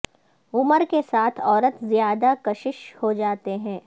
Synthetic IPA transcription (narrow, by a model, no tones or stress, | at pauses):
ʊməɾkesaːt̪ʰɔːɾət̪zjaːd̪akɐʃɪʃhod͡ʒaːt̪eɦɛ̃ː